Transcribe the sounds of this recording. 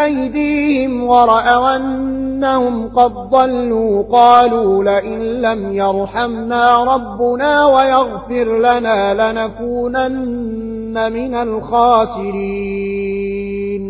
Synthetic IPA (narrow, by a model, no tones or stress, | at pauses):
ʔajd̪iːhɪmwɑɾˤɑʔawʔanːahʊmqɑd̪̚ðˤɑlːuːqɑːluːlɪʔɪnlamjɑɾˤħamnaːɾˤɑbːʊnaːwajɑɣfɪɾlanaːlɪnakuːnanː | amɪnalxaːsɪɾiː | n